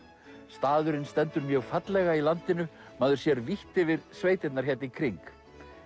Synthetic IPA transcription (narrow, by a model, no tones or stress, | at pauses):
st̪aːðʏɾɪnst̪ɛnt̪ʏɾmjœɣfat̪lɛɣailant̪ɪnʏ | maːðʏɾ̥sjɛɾviht̪ɪvɪɾsveːjt̪ɪt̪naɾ̥çɛt̪nɪkʰɾiŋk